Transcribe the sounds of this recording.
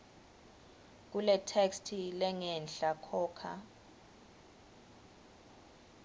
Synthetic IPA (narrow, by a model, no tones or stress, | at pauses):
k̬ulɛtʰekstʰilɛŋɛnɬakʰɔːkʰa̰